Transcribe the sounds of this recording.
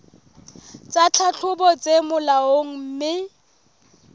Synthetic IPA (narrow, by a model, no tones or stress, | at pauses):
t͡sʼat͡ɬʰat͡ɬʰʊbɔt͡sʼemʊlaoŋ̩m̩mɪ